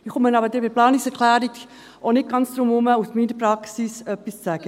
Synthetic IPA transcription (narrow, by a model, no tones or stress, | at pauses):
ɪχʊmənɑbədɪbɪplɑːniksɛɾkʰlæːɾik | ʔonɪt̚ɡ̥ɑnsd̥̪ɾʊmʊməusmiːnəpɾɑksisœpːist͡sæɡ̥ə